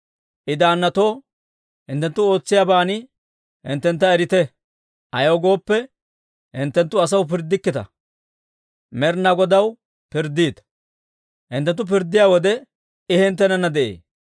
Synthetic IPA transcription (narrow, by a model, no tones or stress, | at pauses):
ʔɪd̪aːnːɐt̪o̞ː | hɪnt̪ːɛnt̪ːʊo̞ːt͡sːɪjaːbaːnɪ | hɪ̰nt̪ːɛnt̪ːɐɛɾɪt̪ɛ | ʔɐjoːɡo̞ːpːɛ | hɪnt̪ːɛnt̪ːʊɐs̬ɐwpɪɾd̪ɪkːɪt̪ɐ̰ | mɛɾnɐɡɔd̪ɐw | pɪɾd̪iːt̪ | hɪnt̪ːɛnt̪ːʊp̬ɪɾd̪ːɪjaːwɔd̪ɛ | ɪhɪnt̪ːɛnɐnːɐd̪ɛʔḛː